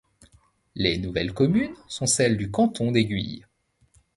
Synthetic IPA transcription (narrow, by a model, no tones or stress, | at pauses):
lenuvɛlkɔmynsɔ̃sɛld̪ykɑ̃t̪ʰɔ̃d̪eɡʲɥḭj